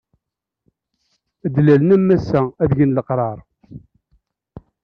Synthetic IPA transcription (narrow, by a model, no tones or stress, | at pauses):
d̪lælnæmːæsææðʝənləqɾˤɑɾˤ